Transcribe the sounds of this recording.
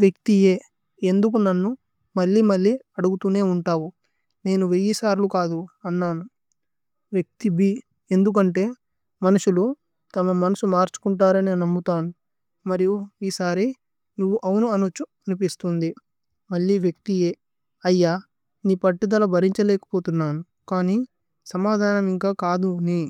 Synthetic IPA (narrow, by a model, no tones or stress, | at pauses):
ʋjɐk̚t̪ije̞ː | e̞nd̪uk̬unɐnːu | mɐlːiːmɐɭːiːɐɽuɡut̪uːne̞ːuɳʈaːwu | ne̞ːnuʋejisaːɾlukaːd̪uɐnːaːnu | ʋjɐk̚t̪ibi | e̞nd̪uk̬ɐɳʈe̞ː | mɐnuʃulu | t̪ɐmɐmɐnɐsumaːɾt͡ʃu̥kuɳʈaːɾɐnenɐmːut̪aːnu | mɐɾijuiːsaːɾi | nuʋːuʔɐwunuɐnut͡ʃːuɐnupist̪und̪i | mɐɭːiʋjɐk̚t̪ieː | ɐjːaː | niːpɐʈːid̪ɐlɐbʱɐɾiɲt͡ʃɐlɛːkɐ̥po̞ːt̪unːaːnu | kaːniː | sɐmaːd̪ʱaːnɐmiŋkaːkaːd̪uni